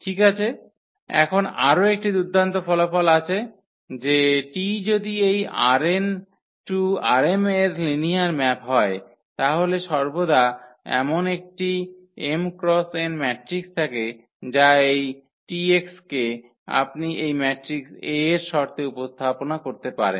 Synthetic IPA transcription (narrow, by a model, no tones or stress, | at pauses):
ʈʰikat͡ɕʰe | ɛ̰kʰonaɾoek̚ʈid̪ud̪ʱːant̪ofɔlofɔlat͡ɕʰe | d͡ʑeʈid͡ʑod̪ieja̰ɾen | ʈuaɾemeɾliniaɾmɛpɦɔe | t̪aɦoleʃɔɾbod̪ʱaɛ̰monek̚ʈi | emkɾɔsenmɛʈɾikst̪ʰake | d͡ʑaej | ʈiekske | a̰pniʔejmɛʈɾikseɾʃɔɾt̪eupost̪ʰaponakoɾt̪epaɾḛn